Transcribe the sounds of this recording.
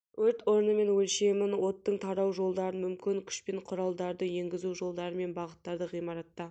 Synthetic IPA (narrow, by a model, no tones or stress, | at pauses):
wɵɾt̪wo̞ɾnəme̞nwɵlʃe̞mɪnwo̞tt̪ːəɴt̪ʰɑɾɑwʒo̞lˠd̪ɑɾənmʏmkʲɪŋkʲʰʏ̥ʃpeɴqʰʊɾɑlˠd̪ɑɾd̪əje̞ŋɡʲɪzuʒo̞lˠd̪ɑɾəme̞nbɑʁət̪ːɑɾd̪əʁijmɑɾɑt̪ːɑ